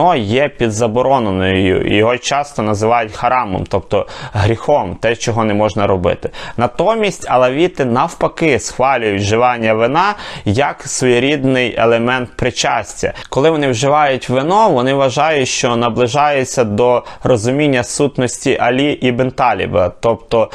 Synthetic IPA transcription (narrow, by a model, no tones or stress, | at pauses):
ɔjɛpʲid̪zɐbɔɾɔnenɔjjʊ̰ḭjɔɦɔt͡ʃɑst̪ɔnɐzɪʋɑjʊtʲxɐɾɑmɔ̰mt̪ɔpt̪ɔɦɾʲixɔmt̪ɛt͡ʃɔɦɔnɛmɔʒnɐɾɔbɪ̰t̪ɪ̥nɐt̪ɔmʲisʲtʲɐlˠɛʋʲit̪ɪnɐwpɐkɪsxʋɑlʲʊjʊtʲʒɪʋɑnʲːɐʋɪnɑjɐksʋɔjiɾʲid̪nɪjḛlˠemɛnt̪̚pɾɪt͡ʃɑsʲtʲɐ̰kɔlˠɪʋɔnɪwʒɪʋɑjʊtʲʋɪnɔʋɔnɪʋɐʒɑjʊʃt͡ʃɔnɐblˠɪʒɑjʊt͡sʲːɐd̪ɔrɔzʊmʲinʲːɐsut̪nɔsʲtʲiʔɐlʲiʔibent̪ɑlʲḭbɐt̪ɔpt̪ɔ